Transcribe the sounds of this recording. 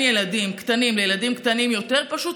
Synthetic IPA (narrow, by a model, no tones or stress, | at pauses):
jelad̪imkt̪animlejelad̪imkt̪animjo̞t̪eʁpaʃut̪